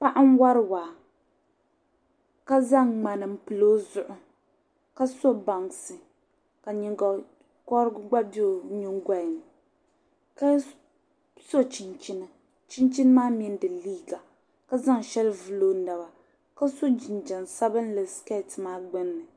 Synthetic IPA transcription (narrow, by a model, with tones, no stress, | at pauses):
pa˦ʔa˦n˦wa˦ɾɨ˦waː˨ | ka˦za˦ŋŋ͡ma˨nɨ˨m̩˦pɨ˨lo˦zʊ˨ʔʊ˦ | ka˦so˦ba˨ŋsɨ˨ | ka˨ɲi˨ŋɡa˨ | kɔ˦ɾɨ˦ɡʊ˦ɡ͡ba˦bi˦o˨ɲʊ˦ŋ˦ɡa˨jn˨ | ka˦ | so˦t͡ʃi˨nt͡ʃi˦nɨ˦ | t͡ʃi˦nt͡ʃi˦n˦maː˦mi˦n˦dɨ˨liː˦ɡa˨ | ka˦za˦ŋʃɛ˦lvɨ˨lo˦na˨wa˨ | ka˦so˦d͡ʒɪ˨nd͡ʒɛ˨nsa˦bɨ˦n˦lɨ˨ska˦˨tɨ˨maː˦ɡ͡bɨ˦nːɨ˨